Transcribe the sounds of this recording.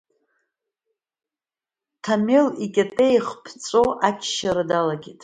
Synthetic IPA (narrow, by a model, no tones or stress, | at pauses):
tʰamelikʲʼatʼejχpʰt͡sʼoʔat͡ʃʰʃaɾadalaɡʲitʼ